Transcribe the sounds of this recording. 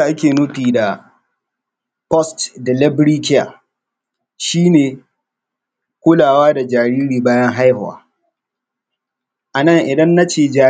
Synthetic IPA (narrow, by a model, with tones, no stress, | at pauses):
a˨ʔa˦kʲeː˨nʊ˦tiː˨da˨ | pɔ˦stdɛ˨lɪ˦bɽiː˦kʲɪ˦ja̰˨ | ʃiː˦neː˨ | kʷʊ˦laː˨waː˦da˨d͡ʒaː˨ɾiː˦ɾiː˨baː˦jɐ˦ŋɦa˦jhʊ˨a̰ː˨ | ʔa˨nɐ˦˨ŋʔɪ˨dɐ˦nːa˦t͡ʃeː˦˨d͡ʒaː˨